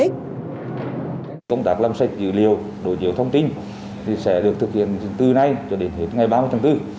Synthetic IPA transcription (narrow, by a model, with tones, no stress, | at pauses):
kə˧wŋ͡mt̪aː˦˥k̚la˧msa˧˥jk̟̚zɨ̰˧˨li˨˩əw | ɗo̰˧˨t͡ɕḭ˨˧˩əwt̪ʰə˧wŋ͡mt̪i˧n | t̪ʰi˨˩sɛ̰˧˥ɗɨ˨˩ək̚t̪ʰɨ˨˩k̚hḭ˧˨ən˨˩t̪ɨ˧˩na˨˧jt͡ɕɔ˧˩ɗe˧˩nhi˨˧˥ətŋa˨˩jɓaː˧mɨ˧t̪ʰːŋt̪ɨ˧˩